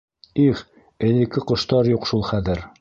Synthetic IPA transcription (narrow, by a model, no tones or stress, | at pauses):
iχ | ɘ̆lɘ̆kɘqŏʃt̪ɑɾjuqʃulˠχæðɘɾ